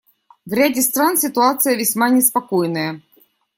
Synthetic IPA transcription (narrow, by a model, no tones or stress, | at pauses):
vɾʲædʲɪst̪ɾansʲɪt̪ʊat̪sɨjəvʲɪsʲmanʲɪspɐkojnəjə